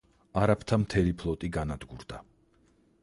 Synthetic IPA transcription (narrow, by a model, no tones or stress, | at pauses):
aɾapʰt̪ʰamt̪ʰɛlipʰlˠɔt̪ʼiɡanad̪ɡuɾd̪̥a